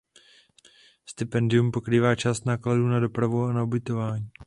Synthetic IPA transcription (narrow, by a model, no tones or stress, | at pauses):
st̪ɪpɛndɪumpo̞kɾiːvaːt͡ʃaːst̪naːkladuːnado̞pɾavuanaobɪt̪o̞vaːɲiː